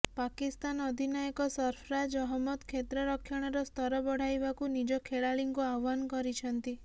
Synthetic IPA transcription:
pakist̪anɔd̪ʱinajɔkɔsɔɾpʰɾad͡ʒɔɦɔmːɔt̪kʰet̪ɾɔɾɔkʰːjɔɽ̃ɔɾɔst̪ɔɾɔbɔɽ̤ajbakunid͡ʒɔkʰeɭaɭiŋkuawːankɔɾit͡ʃʰɔnt̪i

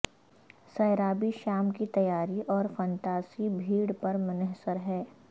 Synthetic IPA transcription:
sɐːɾaːbiʃaːmkit̪ɐjaːɾiʔɔːɾfə̃nt̪aːsibʱiːɽpɐɾmʊnɛɦsəɾɦɛː

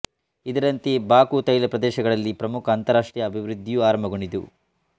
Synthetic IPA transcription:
id̪ɐɾɐnt̪ebaːkut̪ɐjlɐpɾɐd̪ɛːʃɐɡɐɭɐlːipɾɐmukʰɐːnt̪ɐɾaːʂʈɾijɐɐbʱiʋɾud̪ʱːijuaːɾɐmbʱɐɡoɳɖid̪ṵ

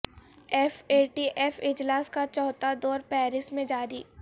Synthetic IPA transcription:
ɛfeːʈiʔɛfɪd͡ʒlaːskat͡ʃɔːt̪ad̪ɔːɾpɛːɾɪsmẽd͡ʒaːɾiː

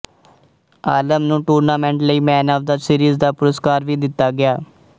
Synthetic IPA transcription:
aːləmnũːʈuːɾnaːmɛ̃ːɳʈləiːmɛːnaːʋd̪aːsiːɾiːzd̪aːpʊɾəskaːɾʋiːd̪ɪt̪ːaːɡɪaː

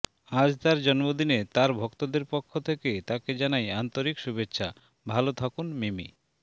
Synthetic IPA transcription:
ad͡ʑd̪aɾd͡ʑɔnmod̪inet̪aɾbʱɔkt̪od̪eɾpɔkʰːot̪ʰeket̪aked͡ʑanajant̪oɾikʃubetːɕʰa̰ | bʱalot̪ʰakunmemḭ

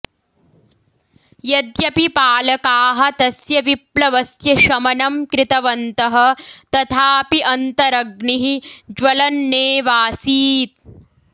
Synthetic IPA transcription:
jɐd̪jɐpipaːlɐkaːɦɐ̆t̪ɐsjɐʋiplɐʋɐsjɐʃɐmɐnɐmkɾɪt̪ɐʋɐnt̪ɐɦɐ̆t̪ɐt̪ʰaːpiʔɐnt̪ɐɾɐɡniɦid͡ʒʋɐlɐnːeːʋaːsiːt̪̚

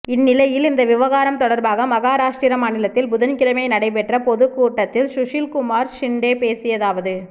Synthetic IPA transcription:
ɪnːɪlɐjɪlɪnd̪ɐʋɪʋɐɣaːɾɐmt̪ɔɽɐɾbaːɣɐmɐɣaːɾaːʂʈɾiːɾɐmaːnɪlɐt̪ːɪlbʊðɐnkɪlɐmɐɪnɐɽɐɪp̬ɛʈrɐpɔðɯkːuːʈːɐt̪ːɪlsʊʂɪlkʊmaːɾsɪɳɖeːpeːsɪjɐðaːʋɐðɯ

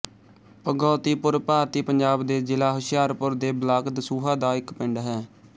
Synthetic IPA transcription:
pəɡɔːt̪iːpʊɾpaːɾt̪iːpəɲd͡ʒaːbd̪eːd͡ʒɪlaːɦʊʃɪjaːɾpʊɾd̪eːblaːkd̪əsuːɦaːd̪aːɪkpɪɳɖɦɛː

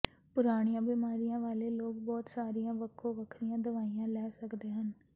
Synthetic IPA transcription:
pʊɾaːɽ̃ijãːbiːmaːɾijãːʋaːleːloːk̚bɔːt̪saːɾijãːʋəkʰːõːʋəkʰɾijãːd̪əʋaːijãːlɛːsəkd̪eːɦən

